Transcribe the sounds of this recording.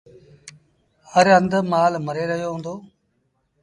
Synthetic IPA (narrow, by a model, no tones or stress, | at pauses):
həɾənd̪maːlməɾeːɾəɦɪjoːɦũːnd̪oː